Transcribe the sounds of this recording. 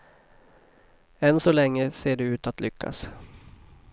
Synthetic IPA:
ɛnsɔlɛŋːəseːɖɵʉ̟ːt̪at̪lʏkʰːa̰s

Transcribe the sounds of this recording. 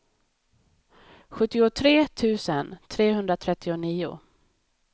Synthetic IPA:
ɧɵt̪ːɪʊt̪ʰɾeːt̪ʰʉ̟ːsənt̪ʰɾeːɦɵnd̪ɾat̪ʰɾɛt̪ʰːɪʊniːʊ̰

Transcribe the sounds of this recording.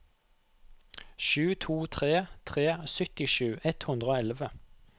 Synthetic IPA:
ʃʉːt̪ʰuːt̪ʰʁeːt̪ʰʁeːsœt̪ɪʃʉːʔɛt̪hʉnd̪ʁəoːɛlʋə

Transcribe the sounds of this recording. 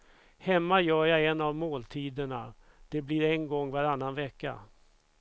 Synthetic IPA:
hɛmːajœːjaɛnːavmoːlt̪ʰiːd̪əɳa | d̪̥ɛbliːɾɛnɡɔŋːvaɾanːanvɛkːa̰

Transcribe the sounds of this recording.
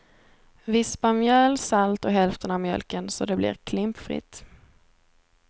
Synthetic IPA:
vɪspamjœlsalt̪ɔɦɛlft̪ʰənavmjœ̰lkənsɔd̪ɛblɪ̰ːɾkʰlɪmpfɾɪ̰t̪ː

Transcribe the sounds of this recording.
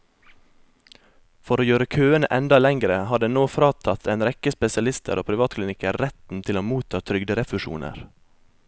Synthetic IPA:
fɔɾoːjøːɾəkʰøːənəʔɛnd̪ɑlɛŋɡɾəɦɑːɖ̪eːnoːfɾɑːt̪ʰɑt̪ʰeːnɾɛkəspɛsɪɑlɪst̪ʰə̰ɾo̰ːpʰɾɪʋɑːt̪klɪnɪkəɾːɛt̪n̩t̪ʰɪloːmuːt̪ʰɑːt̪ʰɾʏɡd̪əɾɛfʉʃṵːnʔə̰ɾ

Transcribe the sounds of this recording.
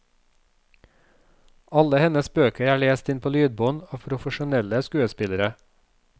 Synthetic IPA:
ɑləhɛnəsbøːkəɾæːɭeːst̪ɪnpʰoːlyːd̪̚bɔːnoːpʰɾʊfəʃʊnɛləskʉːəspɪləɾə

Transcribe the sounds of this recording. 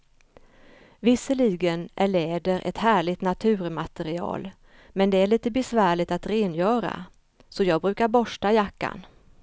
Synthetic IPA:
vɪsəɭiːɡənʔæɭeːd̪əɾʔɛ̰t̪hæːɭɪt̪nat̪ʰʉ̟ːɾmat̪ɛɾɪɑ̰ːl | mɛnd̪ɛæɭiːt̪əbɛsvæːɭɪt̪at̪ɾeːnjœːɾa̰ | sɔjɑːɡ̚bɾʉ̟ːkaɾbɔʂʈajakːa̰n

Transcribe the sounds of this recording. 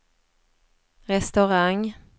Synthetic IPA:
ɾɛst̪œɾaŋ

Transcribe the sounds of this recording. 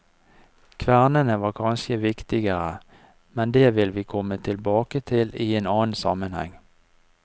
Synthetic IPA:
kʰʋæʁnənəʋɑːkʰɑnʃəʋɪkt̪ɪɡəʁə | mɛnd̪eːʋɪlʋiːkʰɔmət̪ʰɪlbɑːkət̪ʰɪliːeːnɑːnsɑ̰mənhɛ̰ŋ

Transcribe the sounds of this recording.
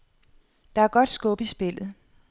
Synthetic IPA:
d̥ɑ̈æɐɡ̥ɒ̽d̥sɡ̥ɔ̽b̥isb̥e̝l̰ð̞̩ˠ

